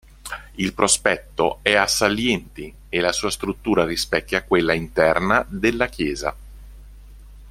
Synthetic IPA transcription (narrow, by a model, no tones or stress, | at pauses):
ilpɾospɛt̪ːo̰ɛasːaljɛnt̪i | elasuːast̪ɾut̪ːuːɾarispɛkːakːwelːaint̪ɛrnad̪elːak̟jɛːza̰